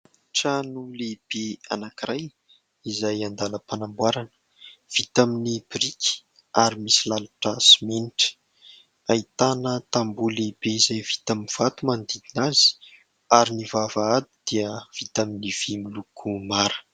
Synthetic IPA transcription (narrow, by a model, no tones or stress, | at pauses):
ʈ͡ʂanuleb̥ea̰nakiraj | izajand̪anəpanambwaɾanə̥ | v̥it̪aminibiɾikʲi̥ | aɾimisilalaʈ͡ʂəsimeniʈ͡ʂə̥ | ait̪anət̪ambulebeizajvi̥t̪aminv̥at̪umand̪id̪inazi̥ | aɾinivavaad̪id̪̥iəv̥it̪aminiv̥imilukʰumaɾə̥